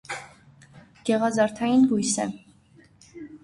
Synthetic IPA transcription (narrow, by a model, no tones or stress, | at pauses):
ɡ̥ɛʁɑzɑɾt̪ʰɑjinɡujsɛ